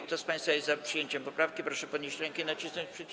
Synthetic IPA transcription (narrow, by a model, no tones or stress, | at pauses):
kt̪ɔspãj̃st̪fajɛst̪zapʂɨjeɲt͡ɕɛmpɔpɾafkʲipɾɔʂɛpɔd̪ɲeɕt͡ɕɾɛŋkɛinat͡ɕisnɔɲt͡ɕpʂɛt̪̚